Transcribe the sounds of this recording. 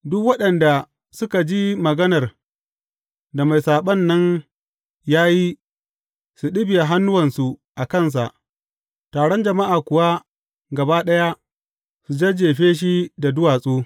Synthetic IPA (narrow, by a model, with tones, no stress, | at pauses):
dʊ˦kwɐ˦ɗɐ˨nda˨ | sʊ˦ka˨d͡ʒi˦mɐ˨ɡɐ˦nɐ˨r | da˨ma˨jsaː˨ɓɐ˦nːɐ˦n | jaː˦ji˦ | su˨ɗɪ˦bɪ˨ja˨ɦa˦nːʊ˦wɐ˨nsu˨ʔa˨kɐ˦˨ns̬a̰˨ʔ | taː˨ɽɔ˦nd͡ʒɐ˨ma˦ʔaː˨kʷʊ˨wa˦ | ɡɐ˨baː˦ɗɐ˦ja˦ | su˨d͡ʒe˦d͡ʒeː˨ɸeː˦ʃ̬i˦da˨dʊ˦waː˨sʼoː˦